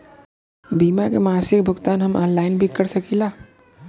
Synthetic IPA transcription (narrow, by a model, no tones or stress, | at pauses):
biːmakemaːsɪk̚bʱʊkt̪aːnɦɐmɔːnlaːɪnbʱikəɾsɐkilaː